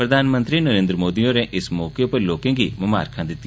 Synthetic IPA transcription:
pɾəd̪ʱaːnmə̃nt̪ɾinəɾẽːnd̪ɾəmoːd̪iõːɾeʔɪsmɔːkepəɾloːkẽːɡiːməma̰ːɾkʰãːd̪ɪt̪ːi

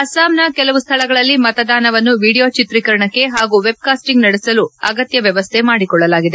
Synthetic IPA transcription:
ɐsaːmnɐkɛlɐʋust̪ʰɐlɐɡɐɭɐlːimɐt̪ɐd̪aːnɐʋɐnːuʋiːɽijot͡ʃit̪ɾikɐɾɐɳɐkːe̞ɦaːɡuʋe̞b̚kaːsʈiŋɡnɐɽɛsɐluɐɡɐt̪jɐʋjɐʋɐst̪ʰe̞maːɽikɔɭːɐlaːɡid̪e

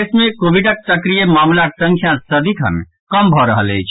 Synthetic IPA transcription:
smekobiɖək̚səkɾijemamlasə̃ŋkʰjãsəd̪ikʰə̰n | kəmbʱɔɾəɦələjt͡ʃʰ

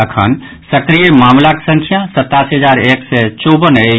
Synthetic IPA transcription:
əkʰə̰n | səkɾijemamlake̥sə̃ŋkʰijasət̪ːasɦəd͡ʒaɾeksɛt͡ʃɔbəne

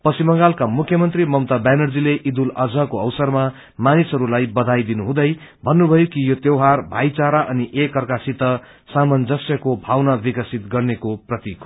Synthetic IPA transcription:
pʌsimʌŋɡalkamukʰjʌmʌnt̪rimʌmt̪abanʌrd͡zileʔid̪ulʌd͡zʌkoʌwsʌrma | manisɦʌɾulajbʌd̪ʱajd̪inuɦũd̪ʌj | bʱʌnːubʱʌjokijot̪jewɦarbʱajt͡saɾaʔʌniʔekːʌrkasit̪ʌ | samʌnd͡zʌsjʌkobʱawnabikʌsit̪ɡʌrnekoprʌt̪ikʰ

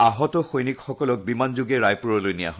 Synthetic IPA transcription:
aɦɔtɔxojnikxɔkɔlɔk̚bimanzʊɡɛɹajpuɹɔlojnija̰ɦɔ

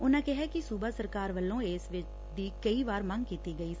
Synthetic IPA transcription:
ʊnãːkɛɦɛːkɪsuːbaːsəɾkaːɾʋəlːõːeːsʋɪt͡ʃ | d̪iːkəiːʋaːɾmə̃ŋɡkiːt̪iːɡəiː

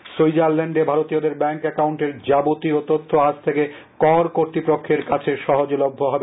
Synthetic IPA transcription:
sujd͡ʑaɾlɛɳɖebʱaɾot̪iod̪eɾbɛŋkɛkawɳʈeɾd͡ʑabot̪iot̪ot̪ʰːoad͡ʑt̪ʰeke | kɔɾkoɾt̪ipɾokʰːeɾkat͡ɕʰeʃɔɦod͡ʑolobʱːoɦɔbe

